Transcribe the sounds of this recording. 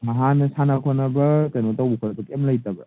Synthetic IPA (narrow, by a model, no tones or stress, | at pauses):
mɐɦanɐsanakʰonɐbɐkɐjnotawukʰɐɾɐbɐkemlɐjtɐbɐ